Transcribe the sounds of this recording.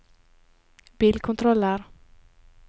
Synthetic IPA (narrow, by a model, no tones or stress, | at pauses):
biːlkʰɔnt̪ʰɾɔlːəɾ